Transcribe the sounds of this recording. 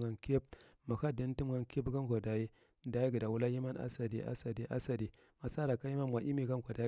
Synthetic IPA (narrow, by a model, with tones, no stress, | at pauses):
ɡa˨nke˦bma˨ka˦˨di˦n˦ti˦mɡa˨nke˦bɡa˦ŋ˨kʷa˨da˨ji˦ | da˨ji˦ɡi˨da˨wu˦la˦ji˦ma˦na̰˦sa˨di˨ʔa̰˦sa˨di˨ʔa̰˦sa˨di˨ | ma˨sa˦ɾa˨ka˦ji˦ma˦n˨wʷa˨ʔi˦mi˦˨ɡa˦ŋ˦kʷa˨da˨˦